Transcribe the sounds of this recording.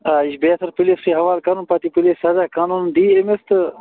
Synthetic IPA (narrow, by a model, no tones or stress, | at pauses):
aiʃbeːsɐɾpileskiɦɐʋaːlkaːnuːnpat̪ipilesɐzakaːnuːnɖ̪iːemest̪